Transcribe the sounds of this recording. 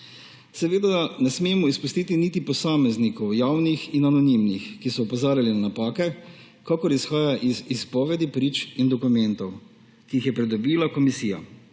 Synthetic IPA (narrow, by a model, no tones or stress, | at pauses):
sɛʋeːd̪anɛsmeːmɔispust̪iːt̪init̪ipɔsaːmɛznikɔwjawnixinanɔnimnixkisɔɔpɔzaːɾjalinanapaːkɛ | kakɔɾisxaːjaʔizispɔːʋɛd̪ipɾiːt͡ʃind̪ɔkumɛnt̪ɔw | kiixjɛpɾɛd̪ɔbiːlakɔmisiːja̰